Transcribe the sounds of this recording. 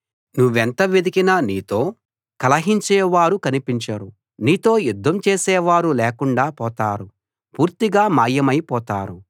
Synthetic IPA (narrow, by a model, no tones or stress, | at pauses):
nuʋːent̪ɐʋed̪ikinɐniːt̪o̞ː | kɐlɐɦiɲt͡ʃɛːʋaːɾukɐnipiɲt͡ʃɐɾu | niːt̪o̞ːjud̪ʱːɐmt͡ʃeːsɛːʋaːɾuleːkuɳɖaːpɔːt̪aːɾu | puːɾt̪iɡaːmaːjːɐmɐjpɔːt̪aːɾu